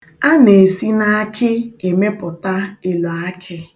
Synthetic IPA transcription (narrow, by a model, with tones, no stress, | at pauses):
a˦ne˨si˦na˦kʰɪ˦e˨me˦pʊ˨ta˦e˨lo˨a˦kʰɪ˦